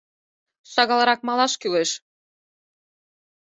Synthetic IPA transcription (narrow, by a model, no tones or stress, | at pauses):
ʃɑɣɑlɑɾɑk̚mɑlɑʃkyleʃ